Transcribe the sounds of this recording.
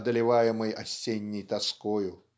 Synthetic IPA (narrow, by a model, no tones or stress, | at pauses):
d̪əlʲɪvajɪməjɐsʲːenʲːɪjt̪ɐskojʊ